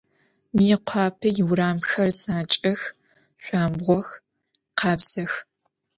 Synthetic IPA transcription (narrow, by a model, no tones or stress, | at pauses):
miqʷʰɑːpʰɨjɪwɾaːmxɐrzaːt͡ʃʼɐx | ɕʷɑːmbʁʷɔx | qʰɑːbz̥ɐx